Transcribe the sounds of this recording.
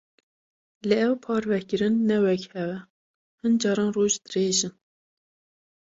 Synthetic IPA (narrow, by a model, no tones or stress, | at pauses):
lɨɛwpʰɑːɾvɛkɨɾɨnːɛwɛkhɛwɛ | hɨnd͡ʒɑːɾɑːnroːʒd̪̥ɨreːʒɨn